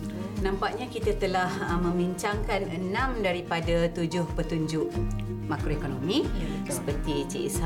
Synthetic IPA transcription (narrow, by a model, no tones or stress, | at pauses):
nãmpaʔ̚ɲakit̪at̪əlahmə̃mbiɲt͡ʃaŋkanənãmdaɾipadat̪ud͡ʒʊhpət̪uɲd͡ʒʊʔmakɾoekonomĩ | səpərt̪it͡ʃiʔḭsa